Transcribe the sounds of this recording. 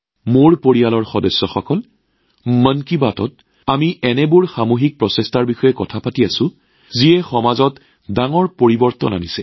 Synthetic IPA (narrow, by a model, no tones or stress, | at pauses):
moɹpoɹijalɔɹxɔdɔsːɔxɔkɔl | mənkibatɔt̚ | amiʔɛnɛbʊɹxamoxik̚pɹɔsɛstaɹbixɔjɛkɔtʰapatiasʊ̃ | zijɛxɔmazɔt | daŋɔɹpoɹibɔɹtɔ̰na̰nisɛ